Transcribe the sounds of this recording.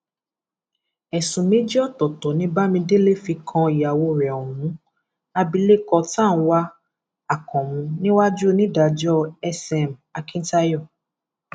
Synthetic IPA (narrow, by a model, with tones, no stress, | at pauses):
ɛ˨sũ˨mĩ˨˦d͡ʒɔ˦˨tɔ˨tɔ˨nĩ˦ba˦mĩ˧de˦le˦˨fi˧kʰã˧i˨ja˨wo˧ɾɛ˨ɔ˨wũ˨˦ | a˧bi˧le˦kɔ˧tã˦˨ñ̩˧wa˦ | a˦˨kɔ̃˨mũ˧nĩ˦wa˦d͡ʒu˦nĩ˦da˨d͡ʒɔ˦ɛ˧sɛ˧˨m̩˨a˧kĩ˦ta˧˦jɔ˦˨